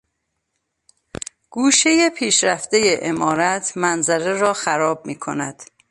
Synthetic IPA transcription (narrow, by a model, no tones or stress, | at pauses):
ɡ̥uːʃe̞jepʰiːʃɾæft̪e̞jeʔemɒːɾæt̪ʰmænzæɾeɾɒːxæɾɒːb̚miːkʰo̞̰næd̪̥